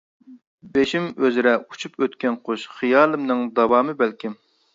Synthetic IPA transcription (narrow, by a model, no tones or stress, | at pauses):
beʃimøzɾɛut͡ʃʰupøt̪kʲɛnqʰoʃχɨjɑːlˠɨmnɨŋd̪ɑwɑːmɨbælkʲʰɪm